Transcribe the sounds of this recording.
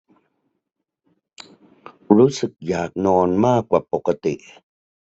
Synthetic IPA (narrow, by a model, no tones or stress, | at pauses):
ɻusək̚jak̚nonmakʷap̚oqət̪iʔ